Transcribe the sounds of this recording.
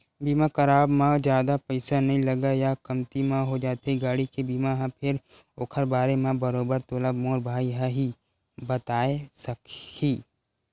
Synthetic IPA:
biːmakɐɾaːbmãd͡ʒjaːd̪apəɪsanɐɦĩlɐɡajakɐmt̪imãɦod͡ʒaːt̪eiɡaːɽikebiːmaɦãpʰɪɾ | oːkʰəɾbaːɾemẽbɐɾoːbəɾt̪oːlabmoːɾbʱaːiɦaɦi | bɐt̪aːesɐkhiː

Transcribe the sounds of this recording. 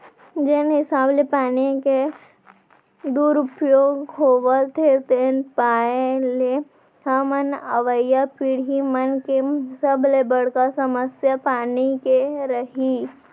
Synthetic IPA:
d͡ʒenɦɪsaːblepaːnike | d̪uːɾʊpjoːɡɦoːʋət̪ʰet̪eːnpaːele | hamənəʋəjːapiːɽ̤imənkesəblebɐɽ̤kasɐməsjapaːnikeɾɐɦi

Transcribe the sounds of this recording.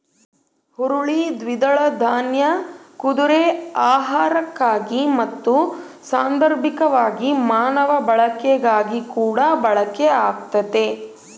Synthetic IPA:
huɾuɭid̪ʋid̪ɐɭɐd̪ʱaːnjɐkud̪uɾeaːɦaːɾɐkːaːɡimɐt̪ːusaːnd̪ɐɾbʱikɐʋaːɡimaːnɐʋɐbɐɭɐkeɡaːɡikuːɽɐbɐɭɐkeaːk̚t̪ɐt̪e

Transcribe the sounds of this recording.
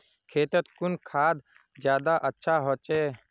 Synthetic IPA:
kʰeːt̪ət̪kʊnkʰaːd̪ | d͡ʒjaːd̪aːʔətːʃʰaːɦoːt͡ʃeː

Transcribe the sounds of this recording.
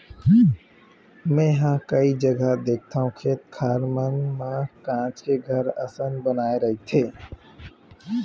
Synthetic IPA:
mɛ̃ːɦãːkɐid͡ʒəɡad̪eːk̚ʰt̪ʰaːɦũkʰeːt̪̚kʰaːɾmənmãkãːt͡ʃkeɡʱəɾɐ̰sənbənaːeɾɐɦit̪ʰeː

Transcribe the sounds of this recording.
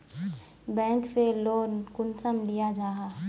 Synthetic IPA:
bɛ̃ːŋkseloːnkʊnsəmlijad͡ʒaːɦaː

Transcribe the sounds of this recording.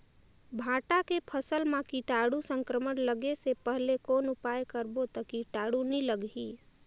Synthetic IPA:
bʱãːʈakepʰəsəlmãkiʈaːɽusə̃ŋkɾəmənləɡesepəɦlekoːnʊpaːjkəɾbot̪əkiʈaːɽunĩləɡɦi

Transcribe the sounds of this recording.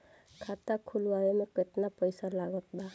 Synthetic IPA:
kʰat̪akʰulwaɾemekɪt̪napəjsalaɡət̪̚ba

